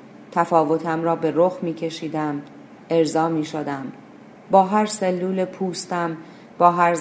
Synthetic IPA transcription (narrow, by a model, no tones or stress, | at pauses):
t̪ʰæfɒːvo̞t̪ʰæmɾɒːbe̞ɾoxmiːcʰe̞ʃiːd̪æm | e̞ɾzɒːmiːʃod̪æm | bɒːɦæɾselːuːlepʰuːst̪æm | b̥ɒːɦæɾz